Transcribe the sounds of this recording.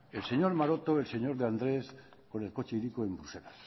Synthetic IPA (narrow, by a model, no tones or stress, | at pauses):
elseɲoɾmaɾot̪oelseɲo̞ɾðeand̪ɾesko̞ne̞lko̞t͡ʃeiɾikoembɾuse̞las